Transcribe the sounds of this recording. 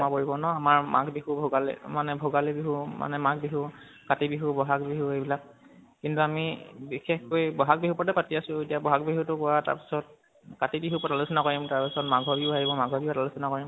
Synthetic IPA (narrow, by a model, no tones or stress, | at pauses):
makoɹibɔnɔamaɹma̰kbiɦubʱoɡalɛ̰manɛbʱoɡalebiɦuma̰nɛmak̚biɦu | katibiɦubɔɦakbiɦuejbilak̚ | kintuamibixexkojbɔɦak̚biɦupɔtɛpatiasʊ̃etijabɔɦak̚biɦutʊkɔwata̰ɹpi̥sɔt̚ | katibiɦupɔtalʊsɔnakoɹimtaɹpisɔtmaɡʱɔbiʊaɦibɔmaɡʱɔbiʊpɔtalusɔnakoɹim